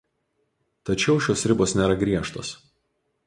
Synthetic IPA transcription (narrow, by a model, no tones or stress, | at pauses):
t̪ɐt͡ʃʲɛʊʃʲoːsɾʲɪboːsnʲeːɾɐɡɾʲiɛʃt̪o̰ːs